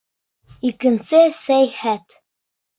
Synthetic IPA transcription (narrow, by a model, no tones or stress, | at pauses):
ikɘ̆nsɘsæjhæt̪